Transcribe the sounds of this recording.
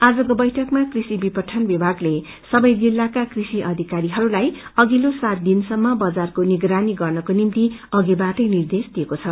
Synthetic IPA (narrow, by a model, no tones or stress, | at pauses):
ad͡zʌkobʌjʈʰʌkmakrisibipʌʈʰːʌnbibʱaɡle | sʌbʌjd͡zilːakakrisiʔʌd̪ʱikaɾiɦʌɾulajʌɡilosat̪̚d̪insʌmːʌbʌd͡zarkoniɡɾaniɡʌrnʌkonimt̪iʌɡibaʈʌjnird̪esd̪iekot͡sʰʌ